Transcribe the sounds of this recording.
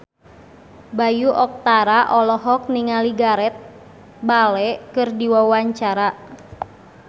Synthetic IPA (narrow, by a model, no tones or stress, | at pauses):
bajuʔɔk̚t̪aɾaʔɔlɔɦɔk̚niŋaliɡaɾɛt̪̚ | balɛkɨrdiwawaɲt͡ʃaɾa